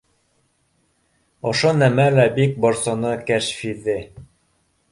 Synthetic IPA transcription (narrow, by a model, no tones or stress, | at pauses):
ŏʃonæmælæbik̚bŏɾsŏnɤkæʃfiðɘ